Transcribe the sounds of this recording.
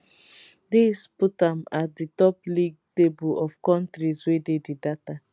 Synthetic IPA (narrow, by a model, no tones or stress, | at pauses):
disputamatditɔpliɡ̚tebulɔfkɔ̃ntɾiswededidata